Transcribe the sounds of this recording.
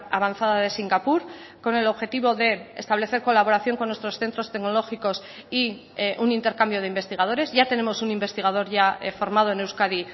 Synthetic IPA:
aβanθaðaðe̞siŋɡapuɾko̞ne̞lo̞βxe̞t̪iβ̞o̞ðe̞ḛst̪aβle̞θe̞ɾko̞laβ̞o̞ɾaθjo̞ŋko̞nːwest̪ɾo̞sθe̞nt̪ɾo̞st̪ekno̞lo̞xiko̞s | i | ʔunint̪eɾkambjo̞ð̞eimbe̞st̪iɣað̞o̞ɾe̞zʝat̪e̞ne̞mo̞sunimbe̞st̪iɣaðo̞ɾʝafo̞ɾmaðo̞e̞newskaði

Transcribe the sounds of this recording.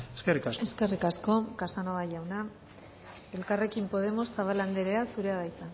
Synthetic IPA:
eskerikase̞ske̞rikasko̞kasanoβaʝawna | e̞lkare̞kimpo̞ð̞e̞mo̞sːaβ̞aland̪eɾe̞asuɾe̞aðajt͡san

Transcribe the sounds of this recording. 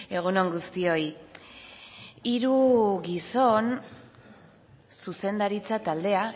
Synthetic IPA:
e̞ɣ̞unoŋɡust̪io̞i | iɾuɣiso̞n | suse̞nd̪aɾit͡sat̪ald̪e̞a

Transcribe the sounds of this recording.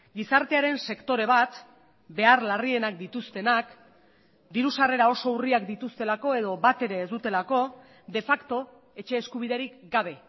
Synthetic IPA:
ɡisaɾt̪e̞aɾe̞nse̞kt̪o̞ɾe̞β̞at̪ | be̞aɾlarie̞nak̚d̪it̪ust̪e̞nak | d̪iɾusare̞ɾao̞so̞uriakd̪it̪ust̪e̞lako̞e̞ð̞o̞βat̪e̞ɾe̞ːzd̪ut̪e̞lako̞ | d̪e̞fakt̪o̞ | e̞t͡ʃe̞ːskuβ̞iðe̞ɾikɡaβ̞e̞

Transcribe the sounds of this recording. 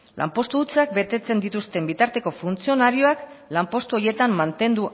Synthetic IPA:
lʔa̰mpo̞st̪ut͡sak̚be̞t̪e̞t͡se̞nd̪it̪ust̪e̞mbit̪aɾt̪e̞ko̞funt͡sio̞naɾio̞ak | lampo̞st̪uo̞je̞t̪amːant̪e̞nd̪u

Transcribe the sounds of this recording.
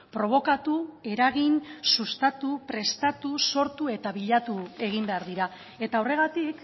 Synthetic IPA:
pɾo̞β̞o̞kat̪ue̞ɾaɣinsust̪at̪upɾe̞st̪at̪uso̞ɾt̪ue̞t̪aβiʎat̪ue̞ɣ̞imbe̞aɾðiɾa | e̞t̪aore̞ɣ̞at̪ik

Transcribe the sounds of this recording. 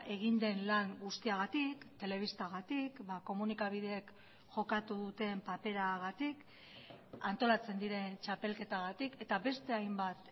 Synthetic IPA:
e̞ɣ̞ind̪e̞nlaŋɡust̪iaɣ̞at̪ikt̪e̞le̞β̞ist̪aɣat̪ikbako̞munikaβ̞ið̞e̞ːk | ʝo̞kat̪uðut̪e̞mpape̞ɾaɣat̪ik | ant̪o̞lat͡se̞nd̪iɾe̞nt͡ʃape̞lke̞t̪aɣat̪ike̞t̪aβe̞st̪e̞ajmbat̪

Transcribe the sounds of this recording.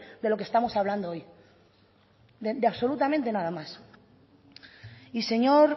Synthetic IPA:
d̪e̞lo̞kest̪amosaβland̪ooj | d̪ed̪eaβso̞lut̪amẽnt̪e̞nað̞amas | ise̞ɲoɾ

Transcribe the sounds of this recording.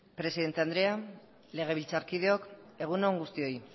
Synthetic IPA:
pɾe̞siðe̞nt̪e̞and̪ɾe̞a | le̞ɣ̞e̞βilt͡saɾkið̞eo̞ke̞ɣ̞unoŋɡust̪io̞i

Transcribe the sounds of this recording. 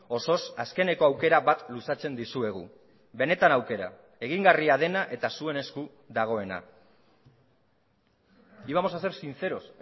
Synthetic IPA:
o̞so̞saske̞ne̞ko̞awke̞ɾaβat̪lusat͡se̞nd̪isue̞ɣ̞ṵ | βe̞ne̞t̪anawke̞ɾa̰ | e̞ɣ̞iŋɡariaðe̞naʔe̞t̪asue̞ne̞sku | ðaɣ̞o̞e̞na̰ | iβamo̞sase̞ɾsint͡se̞ɾo̞s

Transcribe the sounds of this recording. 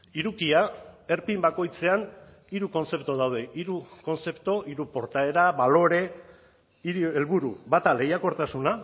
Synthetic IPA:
iɾukiae̞ɾpimbako̞jt͡se̞an | iɾuko̞nse̞pt̪oð̞awð̞e̞ʔiɾuko̞nse̞pt̪o̞ʔiɾupo̞ɾt̪ae̞ɾaβalo̞ɾe̞ | iɾelβuɾuβat̪ale̞jako̞ɾt̪asuna

